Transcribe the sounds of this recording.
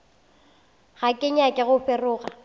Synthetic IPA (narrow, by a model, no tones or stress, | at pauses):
ɣakʼɪɲakʼɪɣʊfɪrʊːɣa